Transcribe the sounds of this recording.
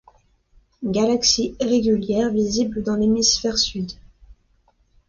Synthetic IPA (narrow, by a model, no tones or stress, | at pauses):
ɡalaksiʁeɡʲyljɛʁvizibləd̪ɑ̃lemisfɛʁsyd̪